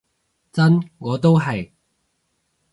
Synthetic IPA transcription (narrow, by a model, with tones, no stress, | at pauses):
t͡sɐ˥nŋɔː˨˧t̪o˥wɦɐ˨j